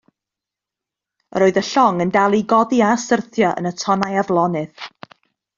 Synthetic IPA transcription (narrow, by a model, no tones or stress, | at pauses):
ə̰rɾoːɨðəɬɔŋəndalˠiɡɔdiaəsərθjɔʔə̰nətʰɔnajavlˠɔnɨð